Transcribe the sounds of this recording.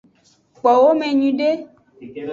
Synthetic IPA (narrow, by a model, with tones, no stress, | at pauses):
k͡pɔ˨wo˦mɛ̃˨ɲũ˨ɖe˦